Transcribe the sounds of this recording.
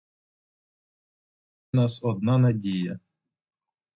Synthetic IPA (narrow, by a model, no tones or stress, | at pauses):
nɑsɔd̪̚nanɐdʲijɐ